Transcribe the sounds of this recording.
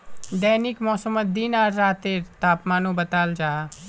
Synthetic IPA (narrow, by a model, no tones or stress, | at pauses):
d̪ɛːnɪkmɔːsəmət̪̚d̪iːnaːɾːaːt̪eːɾt̪aːpmaːnũːbət̪aːld͡ʒaː